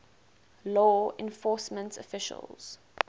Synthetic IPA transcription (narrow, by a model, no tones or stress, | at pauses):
lɔːɛ̃nfɔːˑsmə̃ntʰɔfɪʃə̰lˠz̥